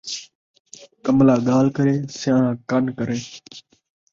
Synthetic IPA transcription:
kəmlaːɠaːlkəɾeːsɪjãːnãːkənkəɾeː

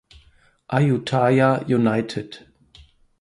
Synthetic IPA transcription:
ʔajutʰajajunaɪtʰɪd

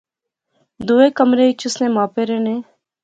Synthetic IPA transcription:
d̪uːeːkəmɾeːɪt͡ʃʊsnẽːmaːpeːɾeːnẽː

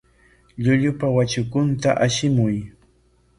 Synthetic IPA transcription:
ʎʊʎʊpawat͡ʃʊkʊnt̪aʔaʃɪmʊj

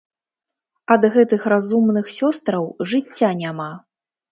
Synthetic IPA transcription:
ɐd̪ɣɛt̪ɨxrazumnɨxsʲɔst̪ɾɐwʐɨt͡sʲːanʲama

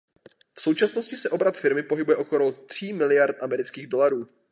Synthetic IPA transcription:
fso̞wt͡ʃasnoscɪsɛʔo̞bɾat̪fɪɾmɪpo̞ɦɪbujɛʔo̞kolot̪r̝̥iːmɪlɪjaɾt̪ʔamɛɾɪt͡skiːɣdo̞laɾuː

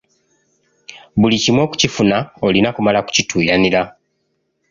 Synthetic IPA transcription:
βulicimwo̞ːku̥cifunaolinakumalaku̥citʰuːjaniɾa

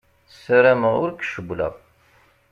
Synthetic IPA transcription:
səɾæməʊ̰ɾkːʃəblæ̰

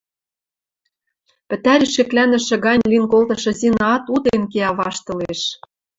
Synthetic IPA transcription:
pɘ̆t̪æɾʲiʃɘ̆klænɘ̆ʃɘ̆ɣɑnʲlinkolt̪ɤ̆ʃɤ̆zinɑt̪ud̪enkeɑβɑʃt̪ɤ̆leʃ

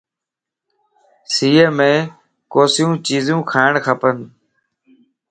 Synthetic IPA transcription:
siːeːmẽː | koːsɪjũːt͡ʃiːzũːkʰaːɪɳkʰəpən

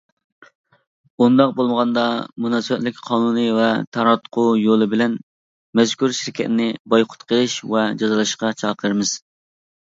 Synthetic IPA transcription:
und̪ɑq̚bolˠməʁɑnd̪ɑmunɑsɨwɛt̪lɪkʲqʰɑːnunɨvɛt̪ʰɑɾɑt̪qʰujolˠɨbɪlɛn | mɛzkʲuɾʃiɾkʲʰɛt̪nɪbɑjqʰʊ̥t̪qʰəʃvɛd͡ʒɑzɨlˠɨʃqɑt͡ʃʰɑːqʰɾmɨz̥

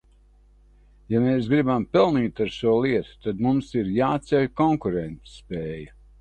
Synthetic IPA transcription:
jameːsɡɾibampɛlˠniːt̪aɾʃuɔlˠiɛt̪u̥t̪ad̪mumsiɾjaːt̪sɛjʲkɔŋkuɾɛnt̪sspɛːjɐ

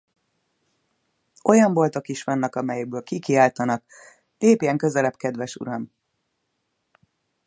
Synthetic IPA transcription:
o̞jɒɱvo̞lt̪o̞kiʃʋɒnːɛkɒmɛjɛɡ̚bøːlkikiaːlt̪ɒnɒk | leːpiɛŋkø̞zɛlɛpkɛd̪vɛʃṵɾɒm

